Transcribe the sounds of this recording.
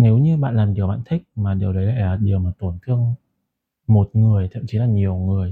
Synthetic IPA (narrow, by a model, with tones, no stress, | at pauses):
ne˨˦wɲɨ˧ɓa̰ː˧˨nlaː˨˩mɗi˨˩əwɓa̰ː˧˨nt̪ʰi˦˥k̟̚maː˨˩ɗi˨˩əwɗə˨˦jla̰ː˧˨laː˨˩ɗi˨˩əwmaː˨˩t̪o˧˩nt̪ʰɨ˧əŋ | mo˨˩t̚ŋɨ˨˩əjt̪ʰə̰˧˨mt͡ɕi˨˦laː˨˩ɲi˨˩əwŋɨ˨˩əj